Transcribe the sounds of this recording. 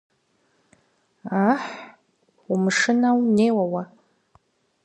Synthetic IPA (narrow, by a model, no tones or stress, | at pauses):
aħ | umɨʂɨnawneːwawa